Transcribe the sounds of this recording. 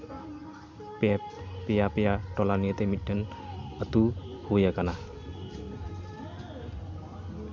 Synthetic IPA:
ppijapijaʈɔlaniət̪emiɖ̥ən | ət̪uhujakana

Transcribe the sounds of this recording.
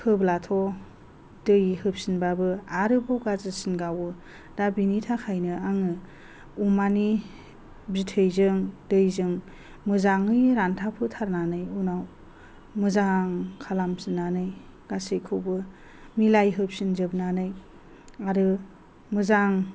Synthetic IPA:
hʰɯblatʰɔ | d̥ɯjhɯp̚sinbabɯaɾɯbʰɔwɡazɯsinɡawɯ | dabinitʰakʰajnɯaŋɯ | umani | bitʰɯjzɯŋdɯjzɯŋ | mɯzaŋɯjɾantʰapʰɯtʰaɾnanɯjunaw | mɯzaŋkʰalamsinːanɯj | ɡ̥asejkʰɯwbɯ | milajɦɯp̚sinzɯbnanɯj | aɾɯ | mɯzaŋ

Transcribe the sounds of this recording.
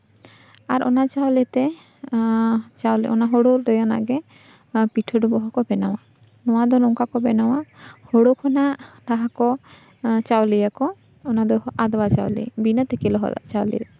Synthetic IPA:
aɾɔ̰nat͡ʃawlɛt̪ɛ | t͡ʃawlʔɔ̰naɦɔɽoɾɛjana̰ɡɛ | piʈʰəɖɔbɔɦɔkɔbɛnawa | nɔwad̪ɔnɔŋkakɔbɛnawahɔɽokʰɔnaʔt̪aɦakɔ | t͡ʃawlɛjakɔː | nad̪ɔad̪ɔbat͡ʃa̰wlɛ̰binət̪ɛkɛlɔɦɔ̰d̪a̰ʔt͡ʃawlɛ̰

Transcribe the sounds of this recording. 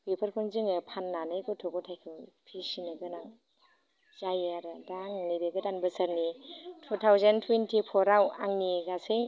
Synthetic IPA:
bipʰɐɾpʰɔnzɯŋɯpʰanːanɯjkɔtʰɔɡɔtʰajkʰɯpʰisinɯɡɯnaŋ | zajaɾdaŋniɾeɡɯdanbɐsaɾnitʰutʰawzentʰwentʰipʰɔɾawaŋniɡasɯj

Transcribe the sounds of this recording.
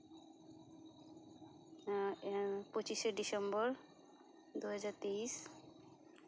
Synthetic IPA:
pot͡ɕiʃeɖisembɔɾ | d̪uɦad͡ʑaɾt̪eiʃ

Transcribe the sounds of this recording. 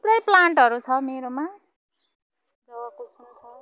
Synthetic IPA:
pɾʌjplaɳʈɦʌɾut͡sʰʌmeɾoma | d͡zʌwakosnt͡sʰʌ

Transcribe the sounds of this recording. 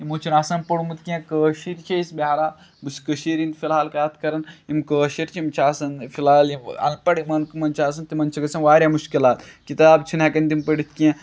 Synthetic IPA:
imoːt͡ʃʰinaːsɐnpɐɽumɨt̪kijẽkəːʃiɾt͡ʃʰeisbeɦaɾaː | buskəʃiɾint̪fʰilɦaːlkaːt̪ʰkɐɾɐnimkəːʃiɾʲt͡ʃʰiimt͡ʃʰaːsɐnfʰilaːlimɐ̰lpɐɽimɐnkmɐnt͡ʃʰaːs̬ɐnt̪imɐnt͡ʃʰɐɡɐsɐnʋaːɾʲjamuʃkilaːt̪kit̪aːbt͡ʃʰinɐkɐnd̪impəɽit̪ʰkijẽ

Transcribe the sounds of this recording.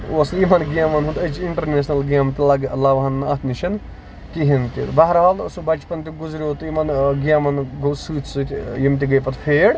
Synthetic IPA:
osimɐnɡijaːmɐnɦũt̪ɐt͡ʃiɳʈɐɾnesnɐlɡʲjaːmt̪ilaɡɐlːaːʋɐɦɐnːɐt̪ʰniʃʰɐn | kiɦint̪it̪bɐɦɾɦalsubɐt͡ʃpɐnt̪iɡuzɾʲot̪imɐnɡjaːmɐnɡɐsɨːt͡ʃsɨt̪ʲjimt̪̬iɡɐjpɐt̪pʰeːɽ

